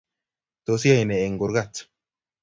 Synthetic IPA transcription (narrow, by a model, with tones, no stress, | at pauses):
d̪̥osɪ˦ja˨jnɛ˨ɛ˨ŋɡɔ˨ɾɡat͡sː